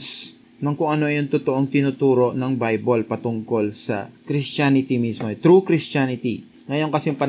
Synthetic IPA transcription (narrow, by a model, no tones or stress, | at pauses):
s | nɐŋkʊŋʔɐno̞ʔɐjoŋt̪ʊt̪oʔo̞ŋt̪ɪnut̪uːɾo̞ʔnɐŋbajbolpɐt̪ʊŋko̞lsɐ̰kɾɪst͡ʃanɪt̪ɪmismo̞ʔɛt̪ɾukɾɪstanɪt̪i | ŋɐjo̞nkɐsɛŋpɐn